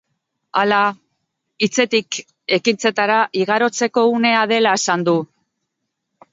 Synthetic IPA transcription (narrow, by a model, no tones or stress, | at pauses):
ala | it͡se̞t̪ik | e̞kint͡se̞t̪aɾaʔiɣ̞aɾo̞t͡se̞ko̞une̞að̞e̞lae̞sand̪u